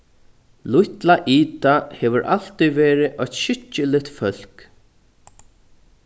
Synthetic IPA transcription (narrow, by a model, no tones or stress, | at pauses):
lʊjt̪laʔiːt̪ahɛːʋʏɾʔa̰l̥t̪ijvɛːɾɪʔɔçt̪ʃɪt͡ʃːɪlɪht̪fœl̥k